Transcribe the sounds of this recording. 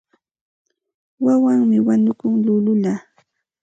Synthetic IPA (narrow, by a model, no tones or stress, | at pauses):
wawaŋmɪwanʊkʊŋlʊlʊla